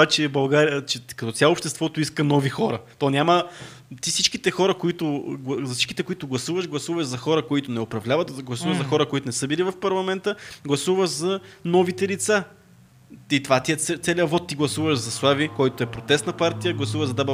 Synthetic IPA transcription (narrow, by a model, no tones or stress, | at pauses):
at͡ʃɛbɐlˠɡaɾijət͡ʃɛkɐt̪ɔt̪sʲalˠoːpʃt̪ɛst̪vɔt̪oiskənɔvixɔɾət̪ɔnʲamə | t̪isit͡ʃkit̪ɛxɔɾəkoit̪ʊɡˠzɐsi̥t͡ʃkit̪ɛkʊit̪ʊɡlˠɐsuvɐʃɡlˠɐsuvəʒzɐxɔɾəkoit̪ʊnɛopɾɐvlʲavət̪ɡlˠɐsuvəʒzɐxɔɾəkoit̪ʊnɛsɤbilivɐfpɐɾlˠɐmɛnt̪əɡlˠɐsuvəʒzɐnɔvit̪ɛlit̪sa | it̪ovat̪iɛt̪ɛt̪sɛlʲiəvɔt̪ːiɡlˠɐsuvəʃzɐslˠavikɔjt̪oɛpɾot̪ɛst̪nɐpaɾt̪ijəɡlˠɐsuvəʒzɐd̪ab